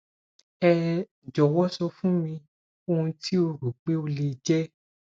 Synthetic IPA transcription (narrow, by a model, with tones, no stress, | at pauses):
ɛ˧ | d͡ʒɔ˨wɔ˦sɔ˧fũ˦mĩ˧ | o˧hũ˧tʰi˦o˧ɾu˨k͡pe˦o˧le˧d͡ʒɛ˦